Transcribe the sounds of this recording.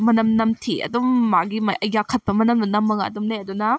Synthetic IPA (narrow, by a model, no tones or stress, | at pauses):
mɐnɐmnɐmtʰiɐ̰dumːaɡimɐʔɐjɡakʰɐt̚pɐmɐnɐmnɐnɐmːɐŋaɐ̰dumneɐdunɐ